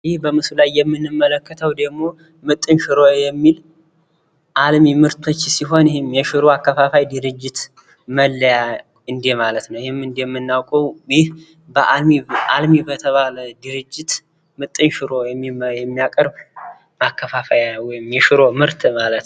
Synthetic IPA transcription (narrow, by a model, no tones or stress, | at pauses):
jɪhbəmɨsulajːɛmːɨnːɨmːələkːət̪ʰəwd̪əɡmo̞ | mɨt̪ʼːɨnʃɪɾo̞jɛmːil | ʔalmimɨɾt̪ʰo̞t͡ʃːsiɦo̞njɪhɪmjɛʃɪɾo̞akːəfafajd̪ɨɾɨd͡ʒːɪt̪ | məlːəja | ɨnd̪emalət̪nəwjɪhɪmːɨnd̪ejɛmːɨnːawkʼəwjɪh | bəʔalmiʔalmibət̪ʰəβaləd̪ɨɾɨd͡ʒːɪt̪ | mɨt̪ʼːɨnʃɨɾo̞jɛmːijɛmːijakʼəɾb | makːəfafajnəwːɔjɪmjɛʃɪɾo̞mɨɾt̪ʰmalət̪